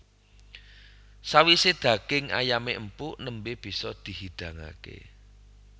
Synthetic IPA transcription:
sawised̪̥ä̤kɪŋa̰jameəmpunəmbeb̥i̤sɔd̪̥i̤ɦid̪̥ä̤ŋa̰kḛ

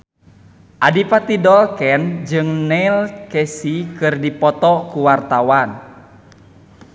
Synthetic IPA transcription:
ʔadipat̪idɔlkɛnd͡ʒɨŋnɛilkɛsikɨrdipɔt̪ɔkuwart̪awan

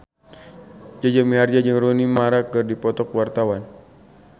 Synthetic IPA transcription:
d͡ʒad͡ʒamiɦard͡ʒad͡ʒɨŋrunimaɾakɨrdipɔt̪ɔkwart̪awan

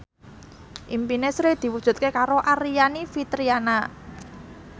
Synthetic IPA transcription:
ʔimpinesɾed̪̥i̤wud̥ʒ̥ṳt̪̚kekaɾoʔaɾijanifit̪ɾiana

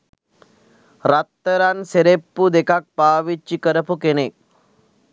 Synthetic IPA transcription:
ɾɐt̪ːɐɾanseɾepːud̪ekak̚paːʋit͡ʃːikɐɾɐpukenek̚

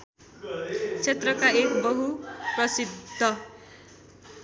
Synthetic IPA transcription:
t͡sʰet̪rʌkaekbʌɦuprʌsid̪ʱːʌ

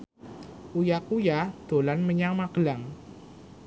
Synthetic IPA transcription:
ujak̚ujad̪̥o̤lanməɲaŋmaɡ̥əlaŋ

